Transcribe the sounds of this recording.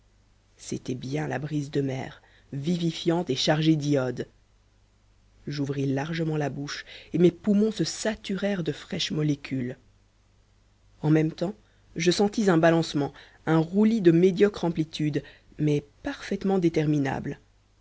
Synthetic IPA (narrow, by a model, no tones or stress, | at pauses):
set̪ɛbjɛ̃la̰bʁizd̪əmɛ̰ːʁ | vivifjɑ̃t̪eʃaʁʒed̪iɔd̪ | ʒuvʁilaʁʒəmɑ̃labuʃemepumɔ̃səsat̪yʁɛʁd̪əfχɛʃmɔlekʲʰyl | ɑ̃mɛmt̪ɑ̃ | ʒəsɑ̃t̪izɛ̃balɑ̃smɑ̃ | ɛ̃ʁulid̪əmed̪jɔkχɑ̃plit̪yd̪ | mɛpaʁfɛt̪mɑ̃d̪et̪ɛʁmina̰bl